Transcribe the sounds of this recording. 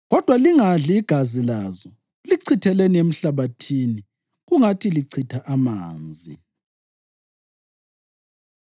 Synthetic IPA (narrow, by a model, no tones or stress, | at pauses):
ɣɔd̥ʱwaliŋaɮiːɡ̥ʱazilazɔ | liǀʰitʰɛleniem̩ɬaβatʰini | ɣuŋatʰiliǀʰitʰaʔama̰ːnd͡zʱḭ